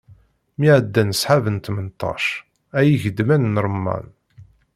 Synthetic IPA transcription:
miʕəd̪ːænəsħavənt̪mənt̪ˤːɑ̰ʃ | æjiʝəd̪mænnɾˤmːɑ̰n

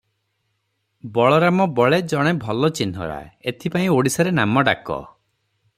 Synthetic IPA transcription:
bɔɭɔɾamɔbɔɭed͡ʒɔɽ̃ebʱɔlɔt͡ʃinɔ̰ɾa̰et̪ʰipaĩoɽisɔɾenamɔɖa̰kɔ̰

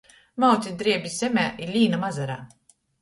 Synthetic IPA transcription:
mawt̪sʲid̪ɾiɛbʲisʲemʲæːʔiɾlʲiːnamazaɾa̰ː

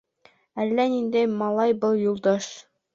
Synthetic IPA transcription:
ælːænind̪æjmɑlˠɑjbɤlˠjulˠd̪ɑʃ

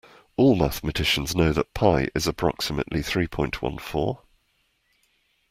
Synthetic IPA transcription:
ɔːlˠmaθmətʰɪʃə̃nznəʊðəʔpʰaɪʔɪ̰zəpʰɹ̥ɒ̰ksɪmə̰ʔliθɹiːpʰɔ̃ɪ̃nʔwʌ̰̃nfɔ̰ː

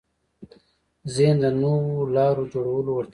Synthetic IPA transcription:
zend̪ənowolɑːɾod͡ʒoːɽawəlowəɾt̪

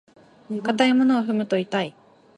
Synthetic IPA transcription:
kat̪aimo̞no̞ːɸɯ̟mɯ̟t̪o̞it̪ai

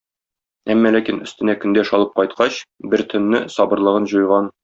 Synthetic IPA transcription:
æmːælækinɵ̆st̪ɘ̆nækɵ̆nd̪æʃɒlˠɤp̚qɒjt̪qɑɕbɘɾt̪ʰɵ̆nːɘsɒbɤ̆ɾlˠɤ̆ʁɤnʑŭjʁɑn

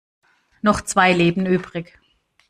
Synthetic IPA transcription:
nɔχt͡sv̥aɪleːbn̩ʔyːbʁɪç

